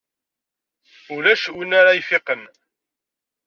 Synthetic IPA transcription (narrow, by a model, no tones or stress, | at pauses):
ulæʃwənːaɾajfɪqən